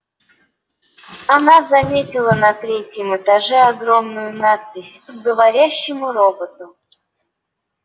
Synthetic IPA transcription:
ɐnazɐmʲetʲɪlˠənɐt̪ɾʲetʲjəmɨt̪ɐʐɛɐɡɾomnʊjʊnat̪̚pʲɪsʲɡəvɐɾʲæɕːɪmʊɾo̞bət̪ʊ

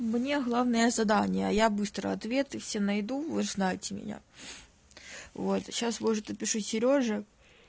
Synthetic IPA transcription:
mnʲe̞ɣlˠavnəjəzɐd̪anʲɪjəɐjabɨst̪ɾə̰ɐt̪vʲe̞t̪ɨfsʲenɐjd̪uvoznajɪtʲɪmʲɪ̰nʲa̰ | vo̞t̪ɕasvoʐɨt̪əpʲɪʂusʲɪɾʲo̞ʐɨ

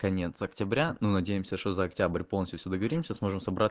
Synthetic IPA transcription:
kɐnʲe̞t̪sɐktʲɪbɾʲanunɐdʲejɪmsʲəʂt̪ozɐːktʲabɾʲpolˠnəsʲt̪ʲʊfsʲud̪əɡəvɐɾʲimsʲəsmo̞ʐɨmsɐbɾa

